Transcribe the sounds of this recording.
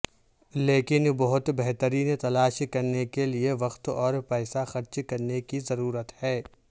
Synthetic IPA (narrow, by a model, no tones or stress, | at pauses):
leːkɪnbɐɦʊt̪bɛɦt̪əɾiːnt̪ɐlaːʃkɐɾnekelieʋɐqt̪ɔːɾpɛːsaxɐɾt͡ʃkɐɾnekizɐɾuːɾət̪hɛː